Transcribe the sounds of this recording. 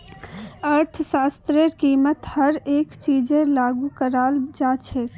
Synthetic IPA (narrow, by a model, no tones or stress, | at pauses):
əɾt̪ʰsast̪ɾeɾkimət̪həɾeːkt͡ʃid͡ʒelaɡukəɾald͡ʒat͡ʃʰɛ